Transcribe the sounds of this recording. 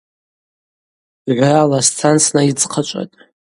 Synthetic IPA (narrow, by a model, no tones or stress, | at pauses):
ʕʷralast͡sʰant͡sʰnait͡sʰʼqʰat͡ʃʷʼa̰tʼ